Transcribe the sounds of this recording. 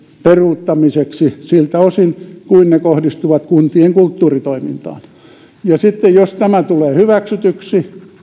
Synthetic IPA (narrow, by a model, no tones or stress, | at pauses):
peruːt̪ːɑmiseksisilt̪æosinkuinnekohdist̪uʋɑt̪kunt̪ieŋkult̪ːuːrit̪oimint̪ɑ̰ːn | jɑsit̪ːejjost̪æmæt̪uleːhyʋæksyt̪yksi